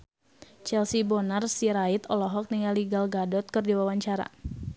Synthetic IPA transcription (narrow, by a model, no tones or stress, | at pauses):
t͡ʃɛlsibɔnarsiɾait̪ɔlɔɦɔk̚niŋaliɡalɡadɔt̪̚kɨrdiwawaɲt͡ʃaɾa̰